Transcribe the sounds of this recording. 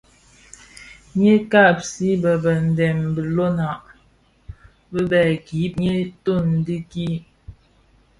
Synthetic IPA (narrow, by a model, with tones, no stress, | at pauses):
ɲe˦ka˦˨p̚si˦bə˨bə˨n̩˨dɛ˨mbə˨lo˦na˨ʔ | bə˦bɛ˨ɡi˨˦p̚ɲe˦to˦˨n̩˨di˦ki˦